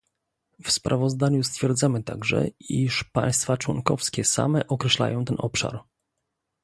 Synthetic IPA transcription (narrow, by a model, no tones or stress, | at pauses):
fspɾʔavɔzd̪aɲust̪fʲjɛɾd̪zamɘt̪aɡʐɛ̰iʂpa̰j̃st̪fat͡ʂwɔŋkɔfskʲɛsa̰mɛʔɔkɾɛɕla̰jɔ̃w̃t̪ɛnʔɔpʂa̰ɾ